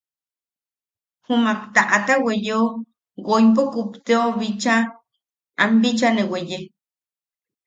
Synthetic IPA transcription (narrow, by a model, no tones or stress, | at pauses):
humapt̪aʔat̪awejeo | ɡojpokupt̪eoβit͡ʃa | ʔambit͡ʃaneweje